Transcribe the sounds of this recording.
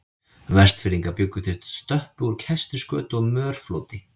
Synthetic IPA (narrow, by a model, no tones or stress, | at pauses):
vɛr̥st̪fɪɾiŋkapjʏkːʏθɪ̥t̪st̪œhpuɾ̥cʰɛst̪ɪskœ̰ːt̪ɔɣmœːɾ̥floːt̪ɪ